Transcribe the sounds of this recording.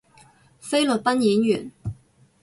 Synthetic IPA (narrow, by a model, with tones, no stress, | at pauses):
fe˥jlɵ˨t̚pɐ˥njiː˨˥njyː˨˩n